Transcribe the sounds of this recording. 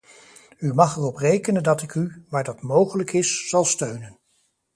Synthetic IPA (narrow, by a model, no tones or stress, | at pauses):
ymɑχɛrɔprejkənəndɑtɪkyʋaːɹdɑtmowχələkɪsːɑlˠstøɥnən